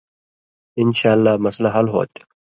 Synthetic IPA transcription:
ɪnʃaːlːaːmɐslaɦɐlɦo̰ːt̪

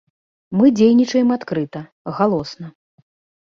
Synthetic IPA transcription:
mɨd͡zʲejnʲit͡ʂɐjɛmat̪kɾɨt̪ɐ | ɣalˠɔsnɐ

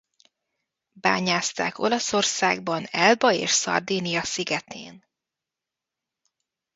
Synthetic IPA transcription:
baːɲaːst̪a̰ːko̞̰lɒso̞rsaːɡ̚bɒnɛlbɒḛːʃsɒ̰rd̪iːnijɒsiɡɛt̪ḛːn

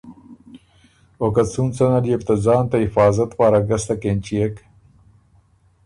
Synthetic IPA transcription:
okɐt͡sunt͡sɐnɐlijeft̪ɐzɑːnt̪ɐifaːzɐt̪paːɾɐɡɐst̪ɐkent͡ɕijek

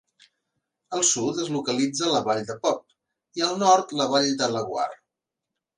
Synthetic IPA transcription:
əlˠsut̪əzlukəlid͡zələβaʎd̪əpɔp̚ | iəlˠnɔɾt̪ləβaʎd̪ələɣwa̰r

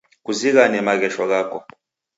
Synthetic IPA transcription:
k̬uzik̬anɛmak̬ɛʃwak̬aːkɔ

